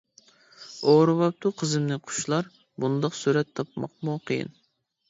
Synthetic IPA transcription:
oɾɨwɑp̚t̪ʰuqʰəzɨmnɪqʰʊ̥ʃlˠɑɾ | bund̪ɑqsuɾɛt̪ʰːɑpmɑ̰q̚muqʰəjḭn

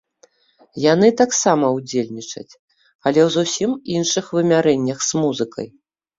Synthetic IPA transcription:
jan̪ɨt̪aksamɐwd͡zʲelʲnʲit͡ʂɐ̰t͡sʲ | ɐlʲɛwzusʲiminʂɨxvɨmʲaɾɛnʲːɐxz̥muzɨkɐ̰j

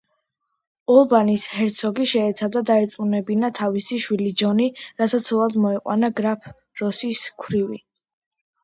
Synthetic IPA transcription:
ɔlˠbanishɛɾt̪sʰɔɡiʃɛɛt̪sʰad̪ad̪aɛɾt̪sʼqʼunɛbinat̪ʰavisiʃwilid͡ʒɔniɾasat̪sʰɔlˠad̪mɔɛqʼwa̰naɡɾapʰ | ɾɔsiskʰɾivi

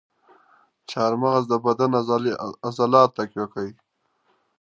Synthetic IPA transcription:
t͡ʃɑːɾmaɣaz̬d̪əbad̪an | azalɑːt̪ːakwakai

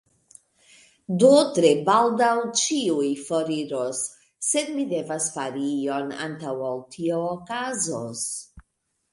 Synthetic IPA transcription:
dotɾe̞baldawt͡ʃiujfoɾiɾosː | e̞dmide̞vasfaɾio̞na̰ntawawtʰioːkazos

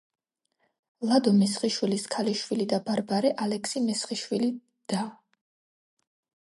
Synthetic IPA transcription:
lˠad̪ɔmɛsχiʃwiliskʰaliʃwilid̪abaɾbaɾɛʔalɛkʰsimɛsχiʃwili | d̪̥a

